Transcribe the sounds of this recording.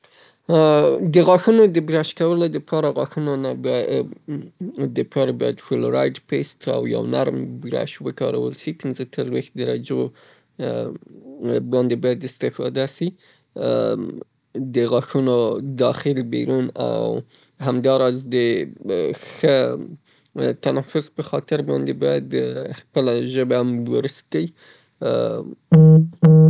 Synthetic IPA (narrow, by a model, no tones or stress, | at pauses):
d̪əɣɑxunod̪əbɾaʃkawəlod̪əpʰɑɾaɣɑxunonab | d̪əpɑɾobɑjad̪fʊloɾɑjdpest̪a̰wja̰wnaɾmbɾa̰ʃwəkɑ̰ɾa̰wə̰lsipinzət̪əɾwex̚d̪aɾa̰d͡ʒo | bɑnd̪ebɑjad̪ɪst̪ɪfɑ̰d̪asi | d̪əɣɑxunod̪ɑxɪlbḛɾuna̰w | hamd̪ɑɾɑzd̪ə | xə | t̪anafʊzpəxɑt̪ɪɾbɑnd̪ebɑjad̪əxpəlaʒəbaambəɾskai